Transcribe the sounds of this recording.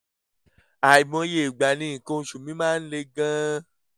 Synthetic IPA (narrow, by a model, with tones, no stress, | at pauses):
a˨i˨mɔ̃˨˧˦je˦˨ɡ͡ba˨nĩ˨˦˨ko˧ʃu˨mĩ˦mãː˦n̩˦le˧ɡã˦